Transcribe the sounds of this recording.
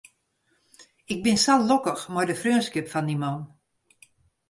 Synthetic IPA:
ɪk̚bɪnsallokəxmɔjdəfrøːnskɪpfandimɔn

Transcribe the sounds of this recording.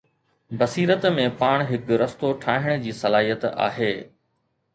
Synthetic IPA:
bɐsiːɾət̪mẽpaːɽ̃ɦɪkɾɐst̪oʈʰaːɦɪɽ̃d͡ʑiːsɐlaːɦijət̪a̰ːɦeː

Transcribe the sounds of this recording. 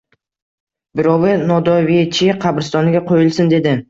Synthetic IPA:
bɪɾɒwɪnɒd̪ɒviet͡ʃʰɪqʰɑbɪɾɪst̪ɒnɪɡʲaqʰojɪlˠsɪnd̪e̞d̪ɪ

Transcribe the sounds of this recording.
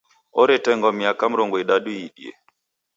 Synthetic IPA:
ɔɾɛtɛŋɡɔmiakam̩ɾɔŋɡɔiɗaɗuiɗḭɛ̰

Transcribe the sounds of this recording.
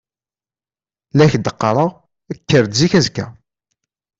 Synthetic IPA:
læçd̪əqːɑɾˤəʁ | əkːəɾd̪ziçæzkæ̰

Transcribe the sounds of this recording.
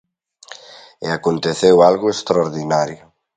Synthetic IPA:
eakont̪eθewalɣʊest̪ɾaoɾðinaɾjʊ

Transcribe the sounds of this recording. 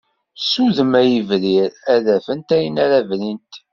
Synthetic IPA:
suðəmæjəvɾiɾæðæfənt̪æjənæɾævlint̪

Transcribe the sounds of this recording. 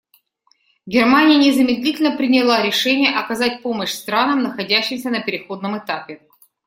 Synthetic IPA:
ɡʲɪrmanʲɪjənʲɪzəmʲɪd̪lʲitʲɪlʲnəpɾʲɪnʲɪlˠaɾʲɪʂɛnʲɪjəʔɐkɐzatʲpo̞məɕst̪ɾanəmnəxɐdʲæɕːɪmsʲənəpʲɪɾʲɪxo̞d̪nəmɨt̪apʲɪ

